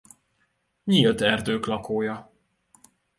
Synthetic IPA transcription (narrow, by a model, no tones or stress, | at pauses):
ɲilt̪ɛrd̪øːklɒkoːjɒ